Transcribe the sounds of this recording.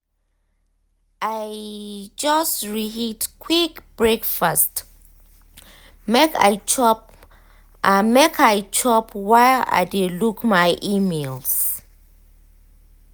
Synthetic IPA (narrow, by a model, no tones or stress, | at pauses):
ʔajd͡ʒastɹihitkʰwikb̥ɹekfast | meka̰t͡ʃɔp | amekʰajt͡ʃʰɔpwaa̰jdelukmajʔimels